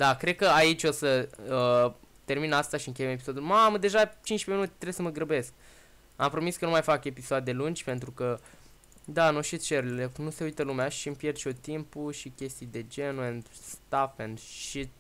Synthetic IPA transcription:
d̪akɾe̞d̪̚kəait͡ʃʲo̞səə | t̪e̞rminast̪aʃiɨŋkʲejeme̞piso̞d̪ulmaməd̪e̞ʒat͡ʃint͡ʃʲpeminut̪e̥t̪ɾeesəməɡɾəbe̞sk̚ | ampɾo̞miskənumajfake̞pisoad̪e̞lund͡ʒʲpe̞nt̪ɾukə | d̪anuʃit̪t͡ʃeɾilenuse̞ujt̪əlumeaʃiɨmpje̞rt͡ʃot̪impuʃikʲe̞st̪ijd̪e̞d͡ʒenuend̪st̪afend̪ʃit̪̚

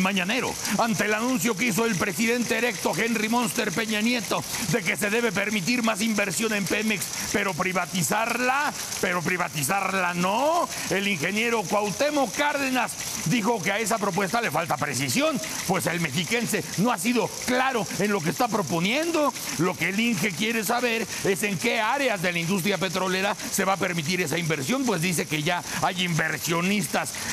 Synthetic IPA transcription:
maɲane̞ɾo̞̰ant̪e̞ːlanũns̬jo̞k̬eis̬o̞elpɾesiðe̞nt̪eːɾe̞k̚t̪o̞xe̞nrimo̞nst̪e̞ɾpe̞ɲanje̞t̪od̪e̞ke̞se̞ðe̞βe̞p̬e̞ɾmit̪̬iɾmasimbe̞ɾsjo̞ne̞mpemeks | pe̞ɾo̞pɾiβat̪isaɾla | pe̞ɾo̞pɾiβat̪isaɾlano | e̞liŋxe̞nje̞ɾo̞kwawt̪e̞mokaɾðe̞nas | d̪ixo̞keae̞s̬apɾo̞pwe̞st̪ale̞falt̪apɾe̞s̬isjo̞n | pwe̞se̞lme̞xike̞nse̞no̞asiðo̞klaɾo̞e̞nlo̞k̬est̪apɾo̞po̞njend̪o̞ | lo̞ke̞ːliŋxe̞kje̞ɾe̞s̬aβe̞ɾ | e̞se̞ŋke̞aɾeazðe̞laind̪us̬t̪ɾjape̞t̪ɾo̞le̞ɾa | se̞βape̞ɾmit̪̬iɾe̞saimbe̞ɾsjo̞npwe̞zðise̞ke̞ʝaajimbe̞ɾsjo̞nist̪as

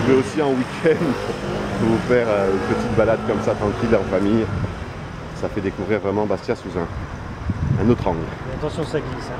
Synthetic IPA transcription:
vøosiɑ̃wikʲʰɛ̃nd̪puufɛʁøynpət̪it̪̚balad̪kɔmsat̪χɑ̃kʲilɑ̃famij | safɛd̪ekuvʁiʁvʁɛmɑ̃bast̪jasuzɛ̃ | ɛ̃not̪χɑ̃ɡlat̪ɑ̃sjɔ̃saɡis

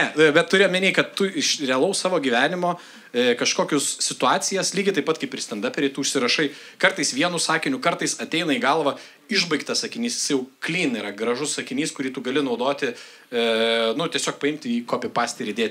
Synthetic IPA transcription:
nʲɛbʲɛt̪t̪ːʊɾʲeːjɔmʲɪnʲeːkɐt̪t̪ʊɪʃɾʲɛɐlˠɐʊssɑːʋoːɡʲiʋʲæːnʲɪmoː | kɐʃkoːkʲʊssʲɪt̪ʊɑːt͡s̪ʲɪjɛslʲiːɡʲɪt̪ɐɪpɐt̪kɐɪpɪɾsʲt̪ʲɛnd̪ɑːpʲɛɾʲɪt̪uːʊʃʲsʲɪɾɐʃɐɪ | kɐrt̪ɐɪsʋʲiɛnʊsɑːkʲɪnʲʊkɐrt̪ɐɪsɐt̪ʲɛɪnɐiɡɐlˠʋɐ | ɪʒbɐɪkt̪ɐsɐkʲɪnʲiːsjɪ̥sɐɪjɛʊklʲiːniɾɐɡɾɐʒʊssɐkʲɪnʲiːskʊɾʲiːt̪ʊɡɐlʲɪnɐʊd̪oːt̪ʲɪ | nʊt̪ʲiɛsʲoːk̚pɐɪmʲt̪ʲɪiːkoːpʲɪpɑːsʲt̪ʲɛɾʲɪd̪ʲeːt̪ʲ

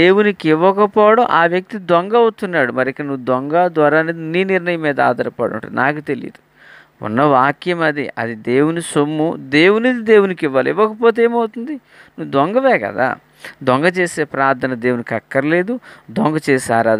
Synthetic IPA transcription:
eːwunikiʋːɐkɐpɔːɐɽɐmʔaːʋjɐk̚t̪id̪wɔŋɡɐɐwut̪unːaːɽumɐɾiikːɐɽɐnuʋud̪wɔŋɡad̪ʋɐɾaːninːiːniɾɳɐjɐmːiːd̪ɐa̰ːd̪ɐɾɐpɐ̰ɽṵɳʈṵd̪ḭnaːk̬ut̪e̞lḭd̪u | ṵnːɐʋaːkjɐmɐd̪iɐ̰d̪id̪e̞ːwunisomːud̪e̞ːwunid̪id̪e̞ːwunikiʋːaːluiʋːɐkɐpoːt̪̬eːmɐwt̪und̪i | nuʋud̪ʋɔŋɡɐʋɛːkɐ̰d̪a̰ː | d̪ɔŋɡɐt͡ʃeːse̞ːpɾaːɾt̪ʰɐnɐd̪e̞ːwunikɐkːɐɾɐle̞ːd̪ud̪wɔŋɡɐt͡ʃɛːsaːɾaːd̪

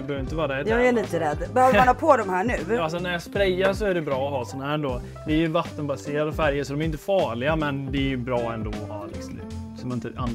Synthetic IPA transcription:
bœːvɾɪnt̪əvɑːɾaɾɛdjɑːɡæliːt̪əɾɛd̪ːbɛhœːvəmanhɑpʰod̪ɔmhæːɳʉ̟ːals̬ɔnæɾjɑspɾɛjːaɾʂɔæɖɛbɾɑːɔɦɑːsɔnɦæːɾɛnd̪oː | d̪ɛːɾjʉvat̪ːənbaseːɾad̪fæɾjəsɔd̪ɔmæɾɪnt̪əfɑːɭɪɡamɛnd̪ɛæjʉbɾɑːɛnd̪oːɔɦɑ̰ːlɪ̰ksɔm̰ | sɔmnɪnt̪əʔa̰nd̪

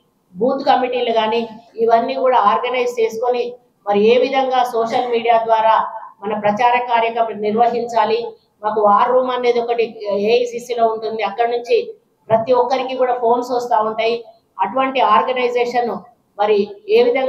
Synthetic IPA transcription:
buːt̪kɐmiʈiːlɐɡaːniːiʋɐnːiːkuːɽaːaːɾɡɐnɐjd͡ʒt͡ʃe̞ːsu̥koni | mɐɾie̞ːʋid̪ʱɐŋɡaːsɔːʂɐlmiːɽijaːd̪ʋaːɾaːmɐnɐpɾɐt͡ʃaːɾɐkaːɾjɐkɐniɾʋɐɦiɲt͡ʃaːli | maːkuaːɾːuːmɐnːe̞ːd̪ɔkɐʈiesiːsiːlo̞ːuɳʈund̪iɐkːɐɽɐnuɲt͡ʃi | pɾɐt̪iɔkːɐɾikikuːɽaːpʰo̞ːnsɔst̪aːuɳʈaːji | ɐʈuʋɐɳʈiaːɾɡɐnɐjd͡ʒeːʂɐnu | mɐɾie̞ːʋid̪ʱɐŋ

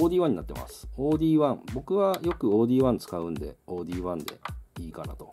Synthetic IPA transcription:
oːd̪ʲiːβãɲ̟ːinat̪ːe̞ma̰sɨ̥o̞ːd̪ʲiːβãɴbo̞kɯ̟βajo̞kɯ̟o̞ːd̪ʲiːβãnt͡sɨ̥kaɯ̟̃nd̪e̞̰o̞ːd̪ʲiːβãnd̪e̞̰iːkanat̪o̞

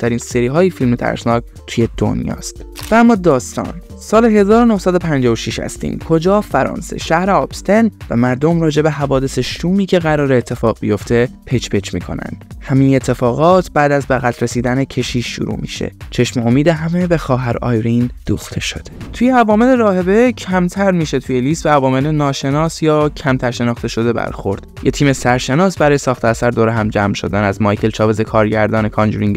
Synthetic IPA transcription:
t̪ʰæɾiːnseɾiːɦɒːjifilmet̪ʰæ̰ɾsnɒːk | t̪ʰujed̪̥o̰njɒ̰ːst̪ | vææmːɒːd̪ɒːst̪ɒ̰ːn | sɒːle̞ɦe̞zɒːɾo̞nohsæd̪opʰænd͡ʒɒːvoʃiʃhæ̰st̪ḭːmkʰo̞d͡ʒɒːfæɾɒ̰ːnsḛʃæhɾeɒːbst̪envæ̰mæɾd̪o̞mɾɒːd͡ʒe̞be̞ɦævɒːd̪e̞seʃuːmiːcʰe̞ɣæɾɒːɾeːt̪ʰːe̞fɒːɣbijo̞ft̪ʰe̞pʰet͡ʃbet͡ʃmḭːkʰo̞̰næ̰nd̪̥hæmiːne̞t̪ʰːe̞fɒːɣɒːt̪ʰbæːd̪æzbæɣæt̪ʰɾesiːd̪ænecʰe̞ʃiːṵɾṵːmḭːʃe̞̰t͡ʃʰe̞ʃmeomiːd̪eɦæme̞be̞xɒːɦæɾɒ̰ːjɾind̪̥uːxt̪ʰe̞ʃo̞̰d̪̥et̪ʰujeævɒːme̞le̞ɾɒːhe̞be̞cʰæmt̪ʰæɾmiːʃe̞t̪ʰujeliːst̪beævɒːme̞lenɒːʃe̞nɒːsjɒːcʰæmt̪ʰæɾʃe̞nɒːχt̪e̞ʃo̞d̪e̞bæ̰ɾxo̞ɾd̪̥jet̪ʰiːme̞sæɾʃe̞nɒːsbæɾɒːjesɒːxt̪ʰeæsæɾd̪oːɾeɦæmd͡ʒæmʃo̞̰d̪ænæzmɒːjkʰe̞lt͡ʃʰɒːve̞zekʰɒːɾɟæɾd̪ɒːnekʰɒnd͡ʒuɾiŋɡ

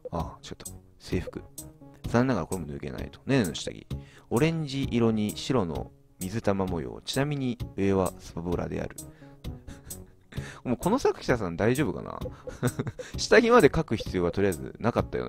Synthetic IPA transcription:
at͡ɕot̪ːo̥ | se̞ːɸɯ̟̥kɯ̟sannːakaɾako̞ɾe̞mo̞nɯ̟ːke̞̰na̰ḭt̪o̥nenoɕi̥t̪a̰ɡʲḭo̞ɾẽ̞ɲ̟d͡ʑiʔiɾo̞ɲ̟iɕiɾo̞no̞̰ | mʲizɨt̪amamo̞jo̰ːt͡ɕinamʲiɲ̟iɯ̟e̞βasɨ̥paboɾa̰d̪e̞̰a̰ɾɯ̟ | moko̞no̞sakɯ̟̥kʲi̥sas̬ãnd̪aiʑo̞ːbɯ̟ka̰na̰ | ɕi̥t̪aɡʲimad̪e̞kakɯ̟çi̥t͡sɨjo̞ːat̪o̞ɾijaizɨ̰nakat̪ːajo̰n

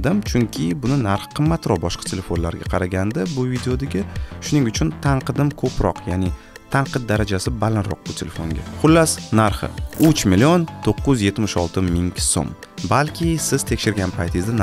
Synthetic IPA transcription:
d̪ɪmt͡ʃʰʊŋkʲʰɪbʊnɪnaɾχqʰɨmːat̪ɾɒbɒʃqʰɑt̪ʰe̞lʲe̞fonla̰ɾɡʲa̰qʰɑɾaɡʲand̪abʊvid̪eod̪aɡʲaʃʊnɪŋʊt͡ʃʰʊnt̪ʰaɴqʰɨd̪ɪmkʰɵpɾɒ̰qʰjanɪ | t̪ʰaɴqɨt̪̚d̪aɾad͡ʒasɪbalanɾɒ̰q̚bʊt̪ʰe̞lefo̞̰ŋɡʲa̰χʊlːasnaɾχɪ̰ʊt͡ʃmɪlːiont̪ʰoqːʊzje̞t̪mɪʃɒlˠt̪ʰɪmɪŋʲso̰m | balkʲʰɪsɪz̥t̪ʰe̞kʲʃɪɾɡʲanpʰajt̪ʰɪzd̪an

